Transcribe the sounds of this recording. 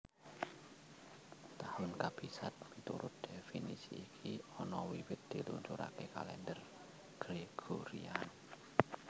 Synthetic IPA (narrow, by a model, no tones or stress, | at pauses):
t̪ahʊnkab̥isat̪̚mit̪ṵɾʊt̪̚d̪̥efinisḭːkʰiɔnɔwiwɪt̪̚d̪̥ilunt͡ʃuɾa̰keka̰lɛnd̪ər | ɡ̥ɾeɡ̥oɾḭan